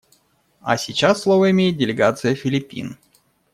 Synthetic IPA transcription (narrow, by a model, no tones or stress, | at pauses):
a̰sʲɪt͡ɕasːlˠovəɪmʲejɪt̪̚dʲɪlʲɪɡat̪sɨjəfʲɪlʲɪpʲḭn